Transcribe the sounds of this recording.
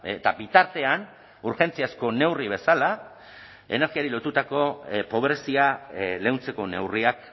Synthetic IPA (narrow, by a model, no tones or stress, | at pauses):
t̪abit̪aɾt̪e̞an | uɾxe̞nt͡siasko̞ne̞wriβ̞e̞sala | e̞̰ne̞ɾɣiaɾilo̞t̪ut̪ako̞po̞βɾe̞siale̞wnt͡se̞ko̞ne̞̰wriak